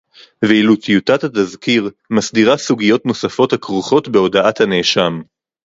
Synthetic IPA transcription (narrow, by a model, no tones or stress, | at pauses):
veilutijutat̪at̪azkiʁ | masdiʁasuɡijo̞tno̞safo̞thakʁuχo̞tbe̞o̞daʔathaneʃam